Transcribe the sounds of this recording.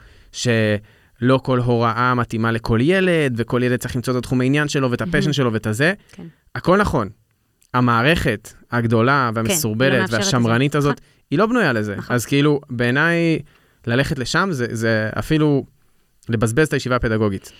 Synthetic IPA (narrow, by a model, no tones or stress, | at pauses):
ʃe̞ | lo̞ko̞lɦo̞ʁaʔamatimale̞kʰo̞lje̞le̞dveko̞ljeled̚t͡saiχlimt͡soet̪ːatχumainjanʃe̞lo̞vetapeʃ̬enʃ̬elo̞vetaze̞ | ako̞lnaχo̞n | amaːʁe̞χe̞thaɡdo̞laveamesuʁbeletveaʃamʁanitazo̞t̪ | ilo̞bnujale̞ze̞azkeilube̞ːnaj | laleχetle̞ʃamzezea̰filu | le̞bazbe̞ztajeʃivaːpedaɡo̞ɡit